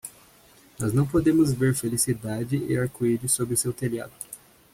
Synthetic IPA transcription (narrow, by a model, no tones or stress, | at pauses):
nɔznɐ̃w̃pod̪ẽmʊzveɾfelisid̪ad͡ʒɪɪaɾkuid͡ʒʊsobɾɪʊsewt̪elia̰d̪ʊ